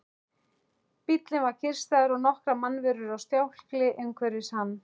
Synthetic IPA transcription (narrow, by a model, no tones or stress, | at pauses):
pit̪lɪnvaɾ̥cʰɪr̥st̪aðʏɾɔɣnɔhkɾamanːvɛɾʏɾawst̪jawl̥klɪʔejŋkʰvɛɾɪshanː